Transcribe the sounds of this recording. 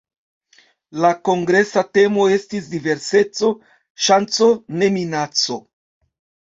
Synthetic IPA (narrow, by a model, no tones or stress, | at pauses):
lako̞ŋɡɾe̞sate̞mo̞e̞stis̬dive̞ɾse̞t͡so̞ | ʃant͡so̞ne̞minat͡so̞